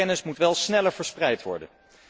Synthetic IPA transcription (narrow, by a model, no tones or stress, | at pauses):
ɛnɪsmutʋɛlˠsnɛləɹv̥əɹsprɛjtʋɔ̰ɹdə̰n